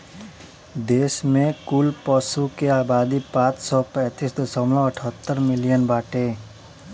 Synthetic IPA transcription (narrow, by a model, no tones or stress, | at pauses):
d̪eːsmẽkulpɔsukeaːbaːd̪ipãːt͡ʃsɔpɛ̃ːt̪isd̪əsəmlɔ̃əʈʰət̪ːəɾmɪlijənbaːʈeː